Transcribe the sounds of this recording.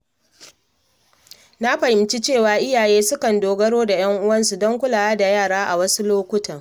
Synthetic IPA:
na˦ɸɐ˨hɪ˨mt͡ʃi˦t͡ʃeː˦˨waː˦ʔɪ˦jaː˨jeː˦sʊ˦kɐ˨ndoː˨ɡɐ˦ɽoː˦da˨j̰ɐ˦ŋʔʊ˦wɐ˦nsu˨dɔ˦ŋkʷʊ˦laː˨wa˦da˨jaː˦˨ɽaː˦ʔa˨wɐ˦su˦loː˦kʷʊ˦tɐ˨

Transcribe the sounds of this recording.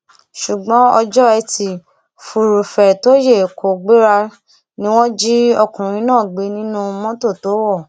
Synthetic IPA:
ʃu˨ɡ͡bɔ̃˨˦ɔ˧d͡ʒɔ˦ɛ˧tʰi˨ | fu˨ɾu˨fɛ˨to˨˦je˦˨ko˨ɡ͡be˦ɾa˧ | nĩ˦w̃ɔ̃˦d͡ʒi˦ɔ˧kũ˨ɾ̃ĩ˧˦nãː˦˨ɡ͡be˨˦nĩ˦nũ˦mɔ̃˦to˦˨to˨˦wɔ˦˨

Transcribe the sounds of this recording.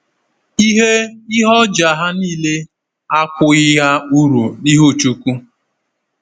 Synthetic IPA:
i˦ɦe˦ɪ˦ɦɔ˦d͡ʒa˨ɦa˦niː˦˨le˦ | a˦kʷʊ˦ɪ˦ɦa˦u˦ɾu˨ni˦ɦo˦˨t͡ʃu˦kʷu˦

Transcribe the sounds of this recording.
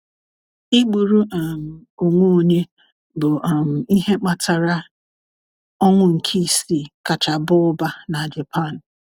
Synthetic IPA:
i˦ɡ͡bu˨ɾu˦ʔm̩˨o˨ŋʷo˦˨ɲe˦ | bʊ˨m̩˨i˦ɦe˦k͡pa˨tʰa˨ɾa˦ | ɔ˦ŋʷʊ˦ŋ̩˨kʰi˦˨si˦˨ka˨t͡ʃa˨bʊ˦ʊ˦ba˦na˨d͡ʒa˨pʰa˦˨n˨

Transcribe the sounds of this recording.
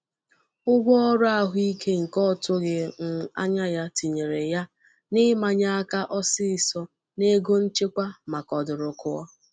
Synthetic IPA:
ʊ˦ɡʷɔ˦ɔ˦ɾʊ˦a˦˨ɦʊ˦i˦kʰe˦ŋ̩˨kɔ˦˨tʊ˦ɡɪ˨ŋ̩˦˨a̰˦ɲa˦ja˦ti˨ɲe˨ɾe˨ja˦ | nɪ˦ma˨ɲa˦a˦ka˦ʔɔ˦sɪ˦ɪ˨sɔ˦ | ne˦ɡo˦n̩˦t͡ʃe˦kʷa˦ma˨kɔ˨dʊ˨ɾʊ˨kʊ˦ɔ̰˦

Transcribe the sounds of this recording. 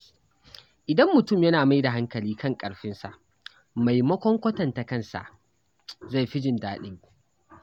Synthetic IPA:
ʔɪ˨dɐ˦mːʊ˨tʊ˦˨mjɐ˦naː˨ma˦jda˨ɦa˦ŋkɐ˨liː˦kʰɐ˦˨ŋkʼɐ˨ɽɸɪ˦nsa̰˨ʔ | ma˨jmɐ˦kʷɔ˦ŋkʷɐ˦tɐ˨nta˨kɐ˦˨nsa̰˨ʔ | za˦˨jɸɪ˦d͡ʒɪ˨ndaː˦ɗɪ˦ŋ

